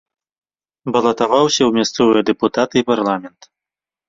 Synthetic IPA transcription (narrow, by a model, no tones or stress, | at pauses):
bɐlˠɐt̪avawsʲɐwmʲast̪sɔvɨjɛd̪ɛput̪at̪ɨiparlˠamʲɛnt̪